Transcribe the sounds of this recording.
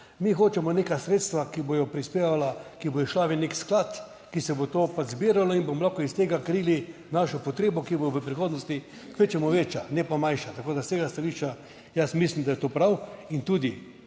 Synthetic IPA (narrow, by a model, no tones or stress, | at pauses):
mixoːt͡ʃɛmɔneːkasɾeːt̪st̪ʋakibojɔpɾispeːʋalakibojɛʃlaːʋineksklat̪ | kisɛbot̪opad͡ʒzbiːɾaloinbomɔlaxkoist̪eːɡakɾiːlinaʃɔpɔt̪ɾeːbɔkiboʋəpɾixoːd̪nɔst̪i | kʋet͡ʃɛmɔʋet͡ʃanɛpamanʃat̪akoːd̪ast̪eːɡast̪aliʃt͡ʃa | jasmislimd̪ajɛt̪oːpɾawint̪uːd̪i